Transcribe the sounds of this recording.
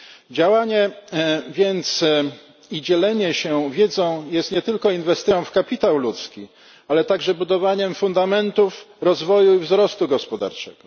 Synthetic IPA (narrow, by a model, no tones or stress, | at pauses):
d͡ʑawaɲɛ | vʲjɛnt̪s | id͡ʑɛlɛɲɛɕɛvʲjɛd̪zɔ̃w̃jɛst̪ɲɛt̪ɘlkɔinvɛst̪ɘjɔ̃w̃fkapʲit̪awlut̪skʲi | alɛt̪aɡʐɛbud̪ɔvaɲɛmfund̪amɛnt̪ufɾɔzvɔjuivzɾɔst̪uɡɔspɔd̪a̰ɾt͡ʂɛɡ̥ɔ